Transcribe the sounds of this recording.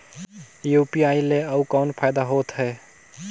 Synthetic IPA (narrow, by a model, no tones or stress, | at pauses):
jupiaileəukawnpʰajd̪aɦot̪ɦɛ